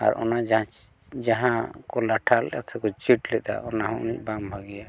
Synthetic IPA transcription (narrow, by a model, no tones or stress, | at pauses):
a̰ɾʔɔ̰nad͡ʒã | d͡ʒaɦãkɔlaʈʰalɛ̰ʔa̰t̪ʰɛkɔt͡ʃiʈlɛd̪a̰ɔnaɦɔ̃ṵnic̚bambʱaɡija